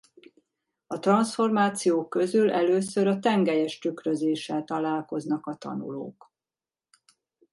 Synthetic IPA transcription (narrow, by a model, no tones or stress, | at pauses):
ɒt̪rɒnsfo̞rmaːt̪sijoːkːø̞zylʔɛløːsøɾɒt̪ɛŋɡɛjɛʃt̪ykrøzeːʃɛlt̪ɒlaːlko̞znɒkɒt̪ɒ̰nṵlo̰ːk